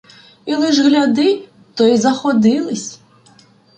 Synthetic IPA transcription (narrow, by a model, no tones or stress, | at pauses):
ilˠɪʒɣlʲad̪ɪ | t̪ɔjizɐxɔd̪ɪlˠɪsʲ